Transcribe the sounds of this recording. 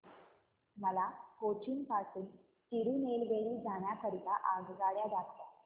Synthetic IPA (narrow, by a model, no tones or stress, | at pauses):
məlakot͡ɕinpasuːn | t̪iɾuːnelʋeɭiːd͡zaɳjakəɾit̪aʔaɡɡaɭjad͡zakt̪a